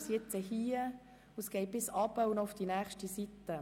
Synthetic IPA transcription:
sjɛt͡səhiːə | ʊsɡ̥ɛɪt̚b̥ɪsɑːbəʊnɔʊfd̥̪inæːχʃtisit̪ːə

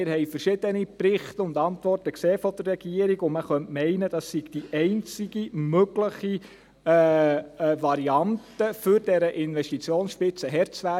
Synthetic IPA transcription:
ɪɾɦɛjfəɾʃɪd̥ənipɾɪχtəʊndɑntʋɔrtəkseːfɔd̥ərːɛɡ̥iəɾiɡʊməχœntmɛɪnəd̥ɑsiɡ̥d̥iʔɛɪnt͡siɡimøɡləχi | ʋɑɾiɑntəfʏɾd̥ɛɾəʔɪnʋɛʃtit͡sjoːnsʃpɪt͡səɦɛɾt͡sʋæ

